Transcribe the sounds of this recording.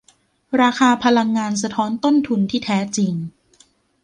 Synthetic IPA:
ɾaː˧kʰaː˧pʰa˧la˧ŋːaː˧ns̬a˧t̪ʰɔː˦˥nt̪o˥˩nt̪ʰu˧nt̪ʰiː˥˩t̪ʰɛː˦˥t͡ɕi˧ŋ

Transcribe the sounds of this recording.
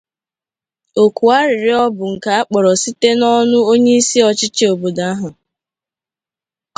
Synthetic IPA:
o˨ku˨a˦ɾɪ˨ɾɪ˨ɔ˦bʊ˨ŋ̩˨ka˨a˦k͡pɔ˨ɾɔ˨si˦te˦nɔ˦nʊ˦o˦ɲe˦i˦si˦ɔ˨t͡ʃɪ˦t͡ʃi˦o˨bo˨da˨˦a˦ɦʊ˨

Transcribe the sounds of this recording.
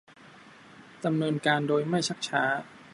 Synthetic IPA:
da˧mnɤː˧nkaː˧ndoː˧jma˥˩jt͡ɕʰa˦˥˩k̚t͡ɕʰaː˦˥

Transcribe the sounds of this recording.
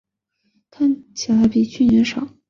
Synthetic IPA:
kʰa˥˩nt͡ɕʰi˨˩la˧˥ɪpi˨˩t͡ɕʰy˥˩njɛ˧˥nʂɑ̰˨˩˦

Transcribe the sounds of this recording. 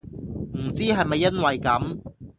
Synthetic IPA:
m̩˨˩t͡siː˥ɦɐ˨jmɐ˨jːɐ˥nwɐ˨jkɐ˨˥m

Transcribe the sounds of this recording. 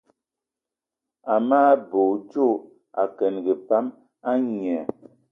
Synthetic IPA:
a˨maː˦bo˨t͡ʃo˦˨ | a˨kɛ˨nɡe˨pa˦m | a˦ɲ˨ɛ˨

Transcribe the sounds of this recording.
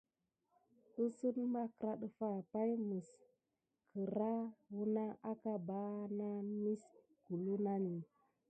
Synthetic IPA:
ɗu˦sə˦nma˦kɾa˦ɗə˨fa˦˨pa˦jmə˨s | kʰə˨ɾa˦wu˦na˦a˦ka˦ba˦na˦mi˦s | ɡ̥u˨lu˦na˦ni˨

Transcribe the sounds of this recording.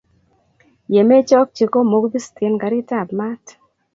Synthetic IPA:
je˨me˦t͡ʃɔ˦k̚t͡ʃi˨ko˦mo˦ɡbi˦ste˨˦nɡa˨ɾi˦ta˦˨bma˦t

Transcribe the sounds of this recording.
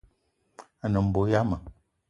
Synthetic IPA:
a˨nə˨m̩˨bo˨ja˦mə˨

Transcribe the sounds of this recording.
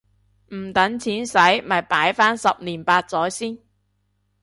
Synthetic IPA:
m̩˨˩t̪ɐ˨˥ŋt͡sʰiː˨˥nsɐ˨˥jmɐ˨˩jpaː˨˥jfaː˥nsɐ˨p̚niː˨˩npaː˧t̚t͡sɔː˨˥jsiː˥n

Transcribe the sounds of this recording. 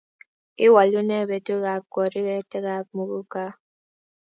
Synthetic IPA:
i˦wa˨lu˦nɛ˦˨bɛ˨to˦ɣa˨˦p̚kɔ˨ɾi˦ɣɛ˦tɛ˦ɣa˦p̚mu˨ɣu˦ka˦

